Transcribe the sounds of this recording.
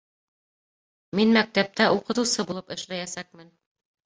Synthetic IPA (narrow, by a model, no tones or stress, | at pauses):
minmæk̚t̪æp̚t̪æʔuqɤ̆t̪ɤ̆wsɤbulˠɤpɘ̆ʃlæjæsæk̚mɘn